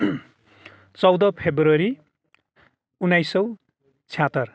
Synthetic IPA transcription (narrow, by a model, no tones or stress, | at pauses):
t͡sʌwd̪ʌpʰebrʌɾi | unːajsʌw | t͡sʰjat̪ʌr